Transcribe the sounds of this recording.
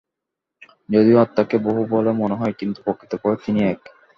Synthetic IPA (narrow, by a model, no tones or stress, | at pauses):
d͡ʑod̪ioat̪ːakeboɦubɔlemoneɦɔekint̪u̥pokʰːi̥t̪epɔɾet̪iniɛk